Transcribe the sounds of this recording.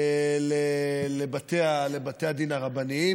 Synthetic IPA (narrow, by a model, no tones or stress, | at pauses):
lelebat̪ealebat̪ejad̪inaʁabani